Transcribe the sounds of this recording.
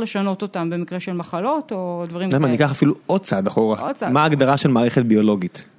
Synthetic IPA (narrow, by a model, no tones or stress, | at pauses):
leʃano̞t̪ot̪ambe̞mikʁeʃelmaχalo̞t̪o̞d̪vaʁimnamanikaχafiluod̪̚t͡saad̪aχo̞ʁamaːɡd̪aʁaʃelmaːʁeχet̪̚bio̞lo̞ɡit̪